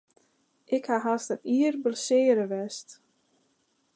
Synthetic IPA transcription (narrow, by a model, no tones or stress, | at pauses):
ʔɪkhaɦastəniərbəlsɪːəɾəʋɛst